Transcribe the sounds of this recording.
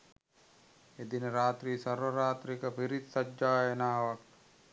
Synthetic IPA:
ed̪inəɾaːt̪ɾiːsɐɾʋəɾaːt̪ɾikəpiɾit̪sɐd͡ʒaːjənaːʋɐk̚

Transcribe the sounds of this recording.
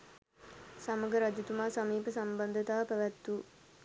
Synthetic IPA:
saməɡəɾad͡ʒ̪it̪umaːsamiːpəsamband̪ət̪aːpæʋæt̪ːu

